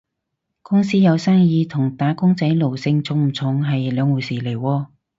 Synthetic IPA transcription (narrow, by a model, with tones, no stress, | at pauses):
kʊ˥ŋsiː˥jɐ˨˧wsaː˥ŋjiː˨˧t̪ʰʊ˨˩ŋt̪aː˨˥kʊ˥ŋt͡sɐ˨˥jlo˨˩wsɪ˧ŋt͡sʰʊ˨˥ŋm̩˨˩t͡sʰʊ˨˩ŋɦɐ˨jlœː˨˧ŋwuː˨˩siː˨˩le˨˩jwɔː˧